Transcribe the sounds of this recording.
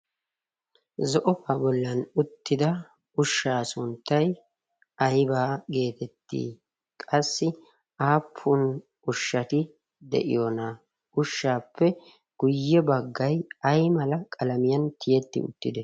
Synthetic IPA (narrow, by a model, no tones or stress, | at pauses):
zɔʔɔfaːbɔlːɐnʊt̪ːɪd̪ɐ | ʊʃːaːsʊnt̪ːɐj | ɐjbaːɡe̞ːt̪ɛt̪ːḭː | kʼɐsːɪ | ʔaːpʰːʊn | ʊʃːɐt̪ɪ | d̪ɛ̰ʔɪ̰jona | ʔʊʃːaːpːɛ | ɡ̥ʊjːɛbɐɡːɐjɐjmɐlɐkʼɐlɐmɪjɐnt̪ɪjɛt̪ːɪ̰ʊ̰t̪ːɪd̪ɛ